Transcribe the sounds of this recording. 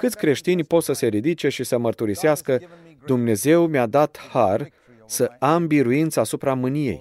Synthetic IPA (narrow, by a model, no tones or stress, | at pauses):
kɨt̪sʲkɾe̞ʃt̪inʲpo̞t̪səse̞ɾid̪it͡ʃe̞ʃisəmərt̪uɾiseaskə | d̪umne̞ze̞wmad̪at̪har | səambiɾuint̪səaːsupɾamɨnije̞̰j